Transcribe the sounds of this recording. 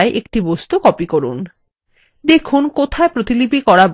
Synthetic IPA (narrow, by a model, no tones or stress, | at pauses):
eʔek̚ʈibost̪ukɔpikoɾṵn | d̪ekʰunkot̪ʰaepɾot̪ilibʱikɔɾab